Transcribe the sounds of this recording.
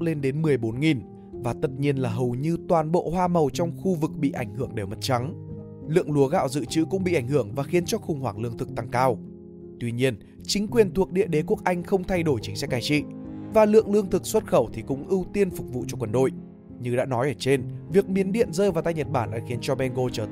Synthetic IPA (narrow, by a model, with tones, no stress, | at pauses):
k͡p̚le˧nɗe˨˦nmɨ˨˩əjɓo˨˦nŋi˨˩n | vaː˨˩t̪ə˨˩t̚ɲi˧ənlaː˨˩ɦə˨˩wɲɨ˧t̪waː˨˩nɓo̰˧˨hwaː˧mə˨˩wt͡ɕɔ˧wŋ͡mxu˧vɨ˨˩k̚ɓḭ˧˨ʔa˧˩jŋ̟hɨ˧˩əŋɗe˧˩wmə˨˩t̚t͡ɕa˨˦ŋ | lɨ̰˧˨əŋlu˨˦əɣa̰ː˧˨wzɨ̰˧˨t͡ɕɨ˧˦kʊ̰˧˥ŋ͡mɓḭ˧ʔa˧˩ŋ̟ɦɨ˧˩əŋvaː˨˩xi˨˦ənt͡ɕɔ˧xʊ˨˩ŋ͡mhwaː˧˩ŋlɨ̰˧əŋt̪ʰɨ˨˩k̚t̪a˧ŋkaː˧w | t̪wi˧ɲi˧ən | t͡ɕï˨˦ŋ̟kwi˨˩ənt̪ʰu˨˩ək̚ɗḭ˧˨əɗe˨˦ku˦˥ək̚ʔa˧jŋ̟xə˧wŋ͡mt̪ʰa˧jɗo˧˩jt͡ɕi˨˦ŋ̟sɛ˦˥k̚kaː˧˩jt͡ɕḭ˧˨vaː˨˩lɨ̰˧əŋlɨ˧əŋt̪ʰɨ˨˩k̚swə˦˥t̚xə˧˩wt̪ʰi˨˩kʊ̰˧˥ŋ͡mʔɨ˧wt̪i˧ənfʊ˨˩k͡p̚vṵ˧˨t͡ɕɔ˧kwə˨˩nɗo̰˧˨j | ɲɨ˧ɗa̰ː˧˥nɔ˨˦jʔəː˧˩t͡ɕe˧nvi˨˩ək̚mi˨˦ənɗḭ˧˨ənzəː˧vaː˨˩t̪aː˧jɲə˨˩t̚ɓaː˧˩nʔaː˧˩xi˨˦ənt͡ɕɔ˧mɛ˧nɣo˧t͡ɕəː˧